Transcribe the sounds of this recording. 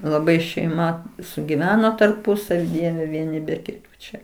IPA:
lˠɐˈbɐɪ ʃʲɛɪˈmɐ sʊɡʲɪˈʋʲæːnoː tɐrˈpʊsɐʋʲɪ ˈdʲiɛʋʲɛ ʋʲiɛˈnʲɪ bʲɛ kʲɪˈtuː ˈt͡ʃʲɛ

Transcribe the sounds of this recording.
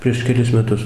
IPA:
pʲrʲiɛʃ kʲɛˈlʲɪs mʲɛˈtʊs

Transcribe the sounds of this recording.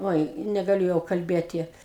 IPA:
ˈoːɪ nʲɛɡɐˈlʲʊ jɛʊ kɐlʲˈbʲeːtʲɪ

